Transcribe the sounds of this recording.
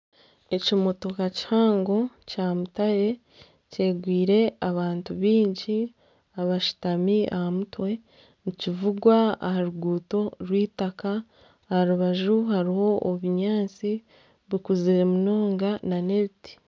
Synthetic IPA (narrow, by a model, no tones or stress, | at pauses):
e̞cimo̞to̞kaci̥haːŋɡo̞caːmutaje̞ | ce̞ːɡwiːɾe̞aβaːntuβiːɲɟi | aβaʃi̥tamia̰hamutwe̞ | nucivuɡwaa̰haɾuɡuːto̞ɾwiːtakaː | haɾuβaʒuhaɾiho̞ʔoβuɲaːt͡si | βikuziɾemuno̞ːŋɡananeβiti̥